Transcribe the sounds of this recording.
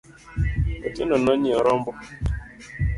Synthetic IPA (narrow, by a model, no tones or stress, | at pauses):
ɔtinɔnɔɲiɔɾɔmbɔ